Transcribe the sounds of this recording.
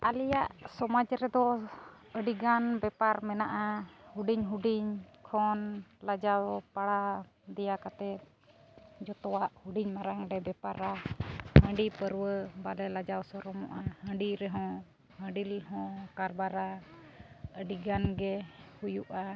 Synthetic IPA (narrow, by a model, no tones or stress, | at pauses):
alijaʔsɔmad͡ʒɾɛd̪ɔ | əɖiɡanbɛpaɾmɛnaʔahuɖiɲɦuɖiɲkʰɔnlad͡ʒawpaɽa | d̪ɛjakat̪ɛt̪̚ | d͡ʒɔt̪ɔwaʔhuɖiɲmaɾaŋɾɛbɛpaɾahə̃ɖipəɾwəbalɛlad͡ʒawsɔɾɔmɔ̰ʔahə̃ɖiɾɛɦɔ̃ | hə̃ɖilɦɔ̃kaɾbaɾa | əɖiɡanɡɛhujuʔa